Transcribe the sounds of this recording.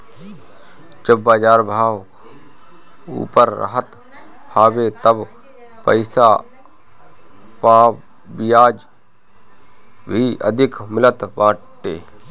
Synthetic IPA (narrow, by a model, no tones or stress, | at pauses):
d͡ʒəbːaːd͡ʒaːɾbʱaːʋ | ṵːpəɾɾə̰ɦət̪ | haːwet̪əb | pə̰ɪsa | paː | bɪjaːd͡ʒ | bʱiʔə̰d̪ʱɪkmɪlət̪bãːʈʈːeː